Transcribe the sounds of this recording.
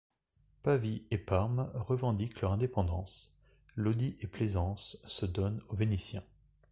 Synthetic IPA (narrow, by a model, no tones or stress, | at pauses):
paviepaʁmʁəvɑ̃d̪iklœʁɛ̃d̪epɑ̃d̪ɑ̃s | lod̪iʔeplezɑ̃sːəd̪ɔnovenisjɛ̰̃